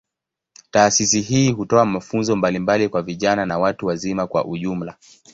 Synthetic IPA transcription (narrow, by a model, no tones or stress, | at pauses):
taːsisiɦiːɦutɔamafunzɔmbalimbalikwaviʄananawatuwazimakwa̰ʔuʄum̩la